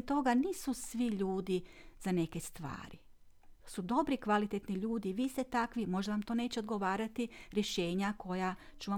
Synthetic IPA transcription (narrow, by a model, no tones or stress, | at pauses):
t̪o̞ɡaniːsusʋiʎuːd̪izane̞ke̞st̪ʋa̰ːɾi | sud̪o̞bɾikʋalit̪et̪niʎuːd̪iʋiːst̪et̪akʋimo̞ʒd̪aʋamt̪o̞ːne̞ːt͡ɕeod̪ɡo̞ʋaːɾat̪iɾje̞ʃe̞ːɲakʰo̞ja | t͡ɕuʋa